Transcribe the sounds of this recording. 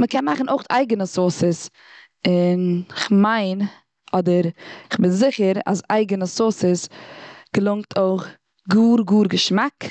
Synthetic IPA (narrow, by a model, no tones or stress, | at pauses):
məkɛnmaχn̩oɪχta̰ɪɡənəsoːsəs | ɪnɪχmaɪn | ɔdəɾɪχbɪnzɪχəɾa̰sa̰ɪɡənəsoːsəsɡ̥əlˠʊŋk̚tʰoɪχ | ɡuːɾɡuːɾɡəʃmak